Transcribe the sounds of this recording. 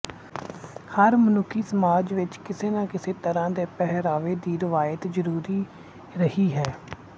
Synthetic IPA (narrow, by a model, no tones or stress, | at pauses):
həɾmənʊkʰːiːsəmaːd͡ʒʋɪt͡ʃkɪseːnãːkɪseːt̪əɾãːd̪eːpɛɦɾaːʋeːd̪iːɾɪʋaːjət̪zəɾuːɾiː | ɾəhiːɦɛː